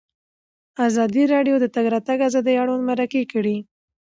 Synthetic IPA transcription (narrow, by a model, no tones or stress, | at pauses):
azɑd̪iɾɑɖjod̪ət̪aɡɾɑt̪aɡazɑd̪əjɑɽonmaɾakekəɽi